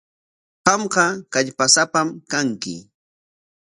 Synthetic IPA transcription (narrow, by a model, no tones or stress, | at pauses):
qɑmɢɑkaʎpasapamkaŋkɪ̰